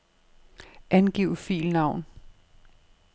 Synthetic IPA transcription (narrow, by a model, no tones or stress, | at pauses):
ʔænɡ̥iʊfḭːlnɑ̈ʊ̰n